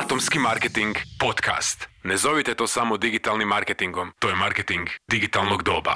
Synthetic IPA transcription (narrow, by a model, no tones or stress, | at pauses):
at̪o̞mskimaɾket̪iŋɡpo̞t̪kʰa̰st̪nezo̞ʋit̪et̪o̞ːsamod̪iɡit̪alˠnimːaɾket̪iŋɡo̞mt̪oːjemaɾket̪iŋɡd̪iɡit̪alˠnoɡd̪o̞ːba̰